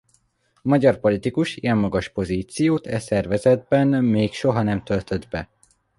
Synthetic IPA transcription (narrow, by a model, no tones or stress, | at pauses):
mɒɟɒrpo̞lit̪ikuʃijɛmːɒɡɒʃpo̞ziːt̪sijoːt̪ʰɛsɛrvɛzɛd̪̚bɛnmeːkʃo̞ɦɒnɛmt̪ølt̪ø̞d̪bɛ